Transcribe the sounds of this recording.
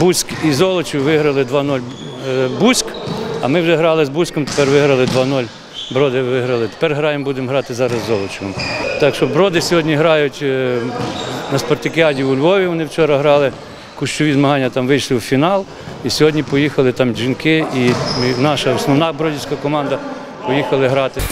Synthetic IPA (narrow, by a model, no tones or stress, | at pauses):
busʲkizɔlˠɔt͡ʃɪwʋɪɦɾɐlˠɪd̪ʋɑnɔlʲ | busʲkɐ̰mɪwʒɛɦɾɑlˠɪzbusʲkɔmt̪e̥pɛrʋɪɦɾɐlˠɪd̪ʋɑnɔlʲ | bɾɔd̪ɪʋɪɦɾɐlˠɪt̪e̥pɛrɦɾɑjembud̪emɦɾɑt̪ɪzɑɾɐzːɔlˠɔt͡ʃɪʋɔmt̪ɑkʃɔbɾɔd̪ɪsʲɔɦɔdʲnʲiɦɾɑjʊtʲ | nɐspɐrt̪ɪkʲɪɑdʲiwʊlʲʋɔʋʲiʋɔnɪwt͡ʃɔɾɐɦɾɑlˠɪ | kʊʃt͡ʃɔʋʲizmɐɦɑnʲːɐt̪ɑmʋɪjʃlˠɪwfʲinɑlˠ | isʲɔɦɔdʲnʲipɔjixɐlˠɪt̪ɑmd͡ʒinkɪimɪnɑʃɐɔsnɔwnɑbɾɔdʲisʲkɐkɔmɑnd̪ɐ | pɔjixɐlˠɪɦɾɑt̪ɪ